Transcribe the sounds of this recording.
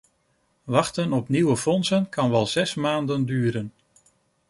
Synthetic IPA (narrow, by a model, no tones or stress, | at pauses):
ʋɑχtənɔpniwəfɔnsənkɑnʋɛlˠz̥ɛsmaːndəndyːɾən